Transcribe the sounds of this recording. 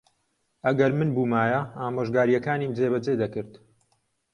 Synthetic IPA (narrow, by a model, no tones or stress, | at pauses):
ʔɐɡɐɾmɨnbuːmaːjɐaːmoːʒɡaːɾijɐkaːniːmd͡zeːβɐd͡zeːd̪ɐkɨɾt̪